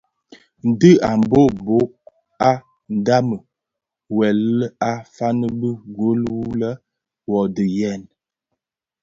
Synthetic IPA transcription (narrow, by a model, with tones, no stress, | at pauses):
n̩˨də˦a˨mbo˦˨bo˨˦ʔ̚ | a˦ | n̩˨da˦mə˨ | wɛ˨lə˦a˦fa˦nə˦bə˦ɡo˦lwu˦lə˦ | wɔ˨də˨jɛ˦˨n